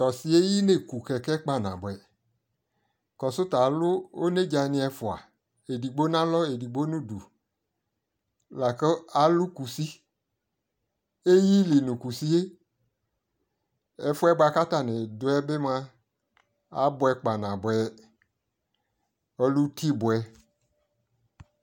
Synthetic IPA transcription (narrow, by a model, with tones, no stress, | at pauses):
t̪ɔ˨si˨e˦ji˦ne˨ku˨kɛ˨kɛ˦k͡pa˨nã̰˨bɔ˨ɛ˨ | kɔ˨sʊ˦t̪a˨lʊ˦o˦ne˦d͡ʒa˨nĩ˨ɛ˨fʊ˨a̰˨ | e˨di˨ɡ͡bo˦nã˦lɔ˦e˨di˨ɡ͡bo˦nũ˦du˨ | la˨ke˦a˨lʊ˦ku˨si˦ | e˦ji˦li˨nũ˨ku˨si˦e˦ | ɛ˦fʊ˦ɛ˦ba˨ka˦t̪a˦nɪ̃˨dʊ˦ɛ˦be˦mã˦ | a̰˦bʊ˦ɛ˦k͡pa˨nã˨bʊ˨ɛ˨˦ | ɔ˦lu˦t̪i˦bʊ˨ɛ˦